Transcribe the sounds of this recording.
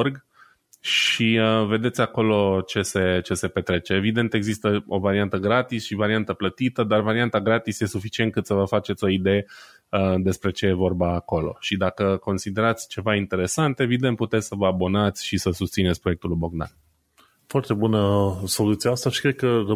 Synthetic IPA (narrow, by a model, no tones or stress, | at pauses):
rɡ | ʃiəve̞d̪e̞t̪sʲako̞lo̞t͡ʃe̞se̞t͡ʃe̞se̞pe̞t̪ɾe̞t͡ʃe̞ːvid̪e̞nt̪e̞ɡzist̪əo̞vaɾiant̪əɡɾat̪isʃivaɾiant̪əplət̪it̪əd̪arvaɾiant̪aɡɾat̪isje̞sufit͡ʃient̪̚kɨt̪səvəfat͡ʃet̪ʲo̞id̪e̞je | əd̪e̞spɾe̞t͡ʃe̞je̞vo̞rbaːko̞lo̞̰ʃid̪akəko̞nsid̪e̞ɾat̪sʲt͡ʃe̞vaint̪e̞ɾe̞sant̪e̞vid̪ent̪put̪et̪ʲsəvəabo̞nat̪sʲʃisəsust̪sinetsʲpɾoe̞k̚t̪uluboɡ̚d̪a̰n | foart̪e̞bunəso̞lut̪siaast̪aʃi̥kɾed̪̚kər